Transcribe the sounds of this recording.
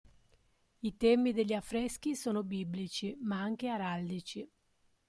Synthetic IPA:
it̪ɛmid̪eʎːiafɾɛsk̟isoːnobiblit͡ʃimaaŋk̟eaɾald̪it͡ʃi

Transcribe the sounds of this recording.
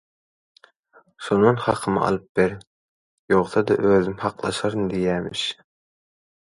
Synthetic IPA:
ʃonɨnhɑqʰəmɨʔɑ̰lˠɯp̚beɾ | joʁsɑd̪ɑ̰ʔøzymhɑqlˠɑ̰ʃɑɾnd̪ijæːmɪ̰ʃ

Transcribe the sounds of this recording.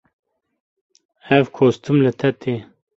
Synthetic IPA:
ɛvkʰoːst̪umlɨt̪ʰɛt̪ʰeː

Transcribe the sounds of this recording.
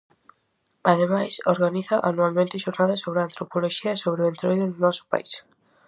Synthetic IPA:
aðemajsoɾɣaniθɐʔanualmẽnt̪ɪʃoɾnaðɐsoβɾɪant̪ɾopoloʃiɐsoβɾɪʊẽnt̪ɾojðʊnʊnɔsʊ̥pa̰is

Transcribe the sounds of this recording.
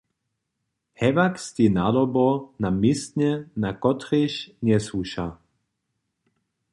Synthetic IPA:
hɛvakst̪inad̪ɔbɔnamist̪nɛnakɔt̪riɕnɛsuʃa

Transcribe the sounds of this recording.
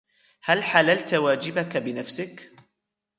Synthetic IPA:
halħalalt̪waːd͡ʒɪbakabɪnafsɪk

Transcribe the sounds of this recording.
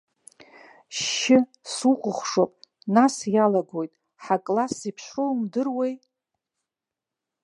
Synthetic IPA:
ʃɪ | suχʷʊχʷʂopʼ | nasjalaɡo̞jtʼ | ħakʼlasipʰʃromdɨrwej

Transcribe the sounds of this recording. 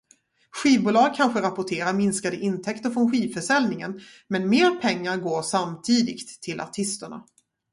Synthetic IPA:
ɧiːvbʊːlɑːɡ̚kʰanɧəɾapʊʈʰeːɾaɾmɪnskad̪əʔɪnt̪ʰɛkt̪əɾfɾɔnɧiːvfœʂɛlnɪŋən | mɛnmeːɾpʰɛŋːaɾɡoːʂamt̪ʰiːd̪ɪ̰ɡt̪ʰːɪlʔa̰ʈʰɪst̪əɳa̰

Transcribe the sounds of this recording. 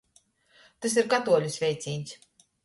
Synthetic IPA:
t̪ɨs̬iɾkat̪uɔlʲusvʲɛjt̪sʲiːnʲs

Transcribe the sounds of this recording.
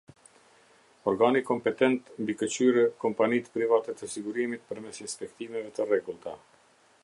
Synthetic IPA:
ɔɾɡanikɔmpɛt̪ɛnt̪mbikət͡ɕyɾɛkɔmpanit̪pɾivat̪ɛt̪əsiɡuɾimit̪̚pəɾmɛsinspɛkt̪imɛvɛt̪ərɛɡulˠt̪a

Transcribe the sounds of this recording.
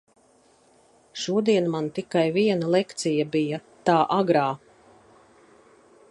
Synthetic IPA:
ʃuɔd̪iɛnmant̪ikajviɛnalˠɛkt̪sijabijat̪aːʔaɡɾaː

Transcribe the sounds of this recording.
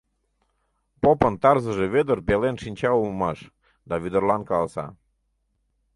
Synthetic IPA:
popənt̪ɑrzəʒeβed̪ərbelenʃinʲt͡ɕɑumɑʃ | d̪ɑβid̪ərlɑnkɑlsɑ̰

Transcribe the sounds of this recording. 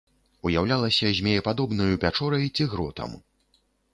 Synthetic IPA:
ujawlʲalˠɐsʲɐzʲmʲɛjɛpad̪ɔbnɐjupʲat͡ʂɔɾɐjt͡sʲiɣɾɔt̪ɐ̰m

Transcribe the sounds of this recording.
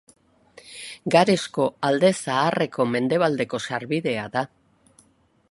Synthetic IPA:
ɡaɾe̞sko̞ald̪e̞saːre̞ko̞me̞nd̪e̞βald̪e̞ko̞saɾβiðe̞aða

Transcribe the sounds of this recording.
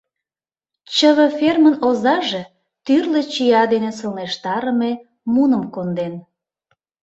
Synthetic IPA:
t͡ɕəβə̆fermənozɑʒe | t̪yrlet͡ɕijɑd̪enesəlneʃt̪ɑɾəme | munəmkond̪en

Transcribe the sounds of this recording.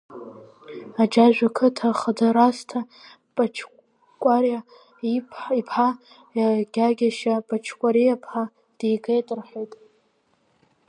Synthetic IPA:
ad͡ʒaʒᶣʷakʰɨtʰaχadaɾastʰa | pʼat͡ʃʰ | kʷʼarja | iipʰħa | aɡ̥ʲaɡʲaʃapʼat͡ʃʰkʷʼaɾijapʰħa | d̥ejɡʼejtʼɨrħojtʼ

